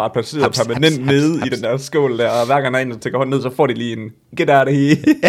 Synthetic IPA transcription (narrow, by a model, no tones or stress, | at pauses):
ɑ̈d̥̚pʰæse̝̰ːɐpʰæɐmænen̰d̥neːð̞̩ˠid̥end̥æɐ̰sɡ̥ɔ̰ːld̥æɐʋæɐɡ̥ɑ̈ŋæɐe̝ːnst͡sʰeɡɐhɒ̽nːe̝ð̰ˠsɒ̽fɒ̰ːd̥iliːe̝n | ɡ̥ed̥æɐɾehe